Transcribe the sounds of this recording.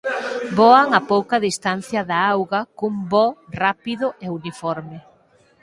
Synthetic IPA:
bɔaŋapowkɐðist̪an̟θjɐðaawɣɐkumbɔrapiðʊʔeunifɔɾmɪ

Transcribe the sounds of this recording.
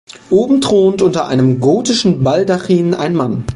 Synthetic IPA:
ʔoːbm̩dʁ̥oːntʔʊntɐʔa̰ɪnəmɡoːtɪʃn̩baldaχiːnʔa̰ɪnman

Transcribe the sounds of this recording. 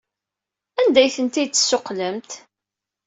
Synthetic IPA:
ænd̪æjθənt̪it͡sːə̥sːʊqləmt̪

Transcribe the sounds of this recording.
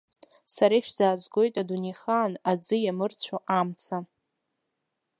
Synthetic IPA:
saɾaiʃᶣzaːzɡo̞jtʼaduniχanad͡zɨjamɨrt͡sʷʰoʔamt͡sʰa

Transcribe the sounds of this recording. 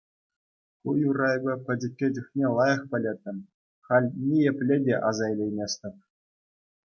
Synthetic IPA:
kujurɑjbʲɤ̆pʲɘ̆dʲɘ̆kʲːedʲɘ̆xʲnʲelˠɑjɑ̆χpʲɘ̆lʲet̪ʲːɘ̆m | χɑlʲnʲijĕpʲlʲedʲeʔɑzɑjlʲejmʲesʲt̪ʲɘ̆p̚ʲ

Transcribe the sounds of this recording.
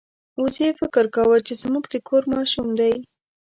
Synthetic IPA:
usefɪkɪɾkawət͡ʃezmuɡd̪əkʰoɾmɑʃumd̪aj

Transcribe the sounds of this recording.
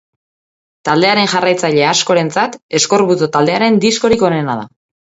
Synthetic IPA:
t̪ald̪e̞aɾe̞nʝarajt͡saʎe̞asko̞ɾe̞nt͡sat̪e̞sko̞ɾβut͡s̪ot̪ald̪e̞aɾe̞nd̪isko̞ɾiko̞ne̞nað̞a̰

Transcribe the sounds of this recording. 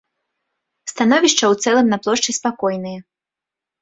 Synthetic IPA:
st̪anɔvʲiʂt͡ʂɐwt̪sɛlˠɨmnaplˠɔʂt͡ʂɨspakɔjnɨjɐ

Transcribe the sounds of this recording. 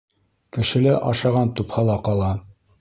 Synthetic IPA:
kɘ̆ʃɘ̆læʔɑ̰ʃɑʁɑnt̪uphɑlˠɑqɑlˠɑ

